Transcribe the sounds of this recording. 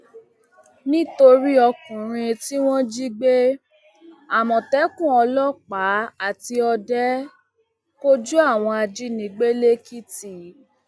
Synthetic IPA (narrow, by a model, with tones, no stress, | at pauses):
nĩ˦to˧ɾi˦ɔ˧kũ˨ɾ̃ĩ˧ti˦w̃ɔ̃˦d͡ʒi˦ɡ͡be˦ | a˨mɔ̃˨tɛ˨˦kũ˦˨ɔ˧lɔ˦k͡pa˨˦a˦˨ti˧ɔ˧dɛ˦ | ko˦d͡ʒu˦a˦˨w̃ɔ̃˧a˧d͡ʒi˦nĩ˨ɡ͡be˦le˦ki˦ti˦˨